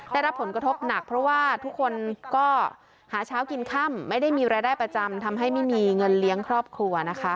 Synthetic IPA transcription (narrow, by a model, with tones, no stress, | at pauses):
da˥˩jɾa˦˥pʰːo˩˦nkɾa˧t̪ʰo˦˥p̚na˨˩k̚pʰɾɔ˦˥waː˥˩t̪ʰu˦˥kʰːo˧nkɔː˥˩ | haː˩˦t͡ɕʰaː˦˥wki˧nkʰa˥˩mːa˥˩jda˥˩jmiː˧ɾaː˧jdaː˥˩jpɾa˧t͡ɕa˧mt̪ʰa˧mɦa˥˩jma˥˩jmiː˧ŋɤ˧nli˦˥əŋkʰɾɔː˥˩p̚kʰɾu˧ɐna˦˥kʰa˦˥